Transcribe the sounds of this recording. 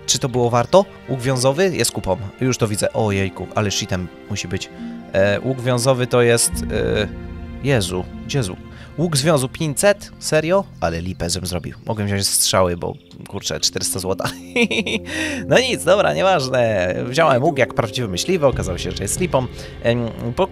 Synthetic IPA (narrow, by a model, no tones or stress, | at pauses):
t͡ʂɨt̪ɔbɘwɔvaɾt̪ɔ | wuɡvʲjɔ̃zɔvɘjɛst̪̚kupɔmjuʂt̪ɔvʲid̪zɛʔɔjɛjkuʔalɛʂit̪ɛmːuɕibɘt͡ɕ | wʔuɡvʲjɔ̃w̃zɔvɘt̪ɔjɛst̪ | jɛzuɡd͡ʑɛzṵk | wuɡzvʲjɔ̃zwpʲiɲsɛt̪sɛɾjɔʔalɛlʲipɛʐbɘmzɾɔbʲḭwmʔɔɡɛvʑɔ̃ɲt͡ɕʲstʂawɘbɔ̰ | kuɾt͡ʂɛ̰t͡ʂt̪ɛɾɘst̪azwɔt̪a | nɔɲit̪zd̪ɔbɾa̰ɲɛvaʐnɛvʑawɛmwukjakpɾavd͡ʑivɛmɘɕlʲivɛɔkazawɔɕɛʐɛjɛst̪lʲipɔm | pɔ